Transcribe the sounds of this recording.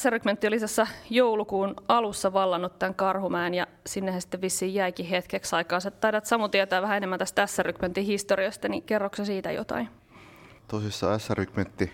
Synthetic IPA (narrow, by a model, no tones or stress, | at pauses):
æsːærykment̪ːiolisɑsːɑjoulukuːnɑlusːɑʋɑlːɑnːut̪t̪ːæŋkɑrhumæːnjɑ | sinːehæsi̥t̪ːeʋʋisːiːjjæikihet̪keksɑikɑːset̪t̪ɑiɾɑt̪sɑmut̪iet̪æːʋæɦæenemːænt̪æst̪ææsːærykment̪ːihist̪oɾiɑst̪ɑnikerːoksesiːt̪æ̰jo̰t̪ɑ̰in | t̪osisːɑ̰æsːærykment̪ːi